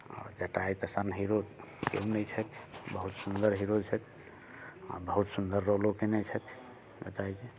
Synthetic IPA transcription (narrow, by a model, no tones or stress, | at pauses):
ɔ̰ɾd͡ʒəʈaijt̪əsənɦiɾod̪kḛũnɛjt͡ʃʰɛt̪ʰbəɦut̪sund̪əɾɦiɾot͡ʃʰɛt̪ʰ | a̰bəɦut̪sund̪əɾːolokenɛjt͡ʃʰɛt̪ʰ | d͡ʒə̰ʈajt͡ʃe